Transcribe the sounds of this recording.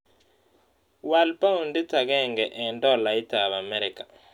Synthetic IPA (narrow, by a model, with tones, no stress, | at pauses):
walpa˦u˨ndi˦ta˨ɣɛ˦˨ŋɡɛ˨ʔɛ˨ndɔ˦la˨i˦ta˨βa˨mɛ˦ɾi˨ka˨